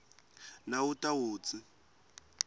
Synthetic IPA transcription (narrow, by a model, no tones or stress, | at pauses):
nautʼawuːt͡si